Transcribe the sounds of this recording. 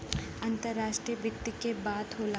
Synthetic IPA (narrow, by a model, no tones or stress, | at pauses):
ɐ̃nt̪əɾːaːʃʈɾijəbjɪk̚t̪ikebaːd̪ɦoːla